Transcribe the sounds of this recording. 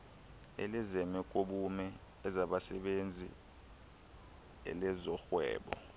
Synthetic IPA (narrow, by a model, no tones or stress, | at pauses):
ḛlizɛmɛk̬ʼoɓumɛː | zaɓasɛɓend͡zʱḭ | ɛ̰lɛzɔxwɛ̰ːɓɔ̰